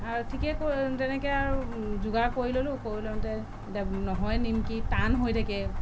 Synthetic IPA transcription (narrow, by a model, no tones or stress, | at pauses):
aɹtʰikɛkotɛnɛkɛaɹuzuɡakoɹilolʊ̃koilontɛ | nɔɦɔjnimkitanɦojtʰakɛ